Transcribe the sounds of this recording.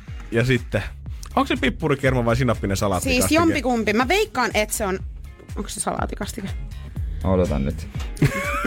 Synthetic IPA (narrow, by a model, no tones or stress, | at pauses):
jɑsit̪ːeoŋksepipːuɾikermɑʋɑisinːɑpːinesɑlɑ̰ːt̪siːsɑsjompikumpimæʋeikːɑːnet̪seon | oŋksesɑlɑ̰ːt̪ikɑst̪ikemod̪ot̪ɑ̰nnyt̪